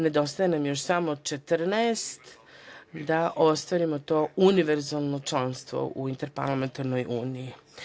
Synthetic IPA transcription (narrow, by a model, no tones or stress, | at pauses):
ne̞d̪o̞st̪ajenamjo̞ʃ̬samot͡ʃe̞t̪ɾnaest̪ | d̪aʔo̞st̪ʋaɾimot̪o̞ːuniʋeɾzalˠno̞t͡ʃlˠanst̪ʋo̰ʔuint̪e̞ɾpa̰ɾlˠame̞nt̪aɾno̞jʔuːniji